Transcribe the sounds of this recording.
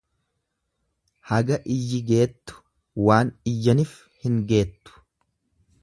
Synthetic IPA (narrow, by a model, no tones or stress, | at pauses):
hɐɡɐʔɪjːɪɡe̞ːt̪ːʊ̥ | waːnɪjːɐnɪf | hɪŋɡe̞ːt̪ːʊ̥